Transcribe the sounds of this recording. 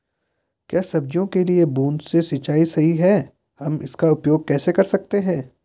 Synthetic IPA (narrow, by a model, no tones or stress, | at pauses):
kjaːsɐbd͡ʒjõkeliebuːnsesɪt͡ʃaːisɐɦiɦɛː | hɐmɪ̰skaʊpjoːɡ̚kɛːsekɐɾsɐk̚t̪eɦɛ̃ː